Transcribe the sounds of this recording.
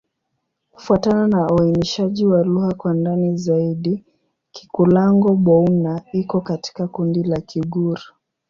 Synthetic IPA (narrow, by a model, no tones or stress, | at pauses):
ku̥fuatananauainiʃaʄiwaluhakwandanizaiɗi | ki̥kulaŋɡɔɓɔunaikɔkati̥kakundilakʰiɡuɾa